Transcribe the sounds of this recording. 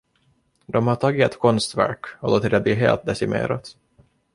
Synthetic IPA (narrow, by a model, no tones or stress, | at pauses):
d̪ɔmhaʈʰɑːɡɪɛt̪kʰɔnst̪væ̰ɾkɔloːt̪ɪd̪ɛbliɦḛːlt̪̚d̪ɛsɪmḛːɾa̰t̪